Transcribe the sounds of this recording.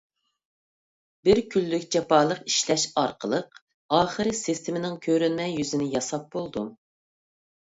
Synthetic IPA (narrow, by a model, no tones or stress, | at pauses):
bɪɾkʲʰylːykʲd͡ʒɑpɑːlˠəqi̥ʃlɛʃɑɾqəlˠəq | ɑːχəɾɨsɪst̪ʰɪmɪnɪŋkʲʰøɾynmɛjyzɪnɪjɑsɑp̚bolˠd̪u